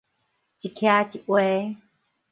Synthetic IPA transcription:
t͡ɕi˨kʰja˧˦t͡ɕi˨ʔwe˦

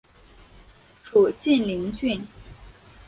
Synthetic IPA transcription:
ʈ͡ʂʰu˨˩t͡ɕi˥˩nli˧˥ŋt͡ɕy˥˩n

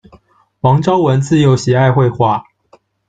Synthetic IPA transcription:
wɑ˧˥ŋʈ͡ʂɑ˥ʊwə˧˥nt͡sɹ̩˥˩jo˨˥ʊɕɛ˨˩a˥˧ɪxwe˥˧ɪxwa˥˩

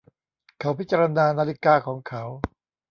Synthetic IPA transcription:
kʰa˩˦˥wpi˦˥t̚t͡ɕaː˧ɾa˧naː˧naː˧li˦kaː˧kʰɔː˩˦ŋkʰa˦˥w

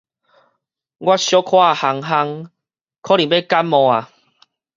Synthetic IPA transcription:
ɡwa˦ɕjɔ˦kʰwa˥˧˨ha˧˩ŋɦa˧ŋ | kʰɔ˦li˨be˦˨ka˦mːɔ̃˨˧a˨

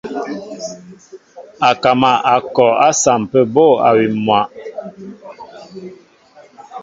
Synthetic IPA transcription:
a˨ka˨ma˨a˨kɔ˨a˦sa˨m˨pə˦bo˦˨a̰˨wi˨mwa˨ʔ

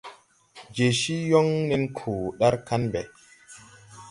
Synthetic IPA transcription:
d͡ʒe˨ʃi˦jɔ˦ŋni˦nkʰuː˨ɗa˦ɾka˦nbɛ˨

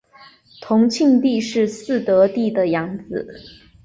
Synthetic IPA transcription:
t̪ʰʊ˧˥ŋt͡ɕʰi˥˧ŋt̪i˥˧ʂɻ̩˥˧sɹ̩˥˩t̪ɤ˧˥t̪i˥˩d̪ə˩jɑ˧˥ŋd͡zɹ̩˨˩˦

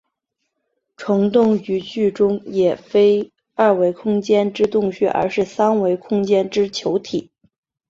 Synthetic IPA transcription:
ʈ͡ʂʰɤ˧˥ŋt̪ʊ˥˩ŋy˧˥t͡ɕy˥˩ʈ͡ʂʊ˥ŋjɛ˨˩fe˥ɪ | ɐ˞˥˩we˧˥ɪkʰʊ˥ŋt͡ɕjɛ˥nʈ͡ʂɻ̩˥t̪ʊ˥˧ŋɕɛ̰˥˩ʔə̰˞˧˥ʂɻ̩˥˩sa˥nwe˧˥ɪkʰʊ˥ŋt͡ɕjɛ˥nʈ͡ʂɻ̩˥t͡ɕʰjo˧˥ʊt̪ʰi˨˩˦

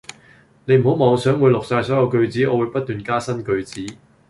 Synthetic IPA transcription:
ne˨˧jm̩˨˩ho˨˥wmɔː˨˧ŋsœː˨˥ŋwuː˨˧jlʊ˨k̚saː˧jsɔː˨˥jɐ˨˧wkɵ˧ɥt͡siː˨˥ɔː˨˧wu˨˧jpɐ˥t̚t̪yː˨nkaː˥sɐ˥nkɵ˧ɥt͡siː˨˥

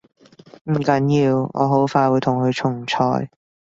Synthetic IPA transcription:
m̩˨˩kɐ˨˥njiː˧wŋɔ̰ː˨˧ɦo˨˥wfaː˧jwuː˨˧jt̪ʰʊ˨˩ŋkʰɵ˨˧jt͡ʃʰʊ˨˩ŋt͡ʃʰɔ̰ː˨˧j

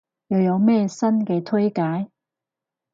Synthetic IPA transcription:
jɐ˨˧wjɐ˨˧wmɛː˥˧sɐ˥nkɛː˧t̪ʰɵ˥jkaː˨˥j

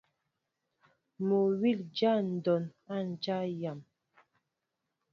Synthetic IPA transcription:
mo˨wi˦˨ld͡ʒa˦n̩˨dɔ˨na˦˨n˨d͡ʒa˦ja˨m

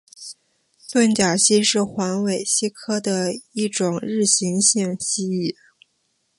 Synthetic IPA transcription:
swə˥˩nt͡ɕja˨˩ɕi˥ʂɻ̩˥˩xwa˧˥nwe˨˩ɪɕi˥kʰɤ˥d̪ə˨i˥˩ʈ͡ʂʊ˨˩ŋɻɻ̩˥˩ɕi˧˥ŋɕi˥˧ŋɕi˥i˥˩

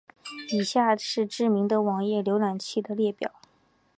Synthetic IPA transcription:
i˨˩ɕja˥˩ʂɻ̩˥˧ʈ͡ʂɻ̩˥˩mi˧˥ŋd̪ə˧wɑ˨˩ŋjɛ˥˩ljo˧˥ʊla˨˩nt͡ɕʰi˥˩d̪ə˩ljɛ˥˩pjɑ̰˨˩˦ʊ

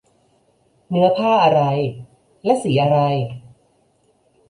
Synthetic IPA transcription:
nɯ˦˥ɐpʰaː˥˩ʔa˧ɾa˧j | lɛ˦˥ʔsiː˩˦ʔa˧ɾa˧j

